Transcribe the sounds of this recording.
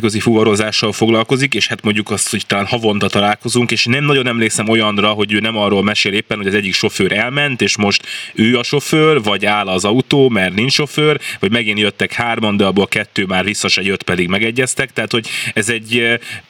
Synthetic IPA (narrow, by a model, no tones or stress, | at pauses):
køzifuvɒɾo̞zaːʃːɒlfoɡlɒlko̞zikeːʃhat̪mo̞ɲɟukɒst̪ho̞ct̪ɒlaːnhɒvo̞nt̪ɒt̪ɒlaːlko̞zuŋkeːʃnɛmnɒɟo̞nɛmleːksɛmo̞jɒnrɒɦo̞ɟøːnɛmɒrːolmɛʃeːleːpːɛnho̞ɟɒzɛɟːikʃo̞føːɾʔɛlmɛnt̪eːʃmo̞ʃt̪øːɒʃo̞føːrvɒɟaːlɒzɒut̪oːmɛrniɲt͡ʃʃo̞føːrvɒɟmɛɡinjøt̪ːɛkhaːrmɒnd̪øɒboːlkɛt̪ːøːmaːrvisːɒʃɛɟøt̪pɛd̪iɡmɛɡɛɟːɛst̪ɛk̚t̪ɛɦat̪hoɟɛzɛɟː